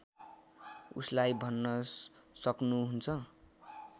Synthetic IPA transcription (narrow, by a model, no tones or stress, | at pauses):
ṵslajbʱʌnːʌsʌknuɦunt͡sʰʌ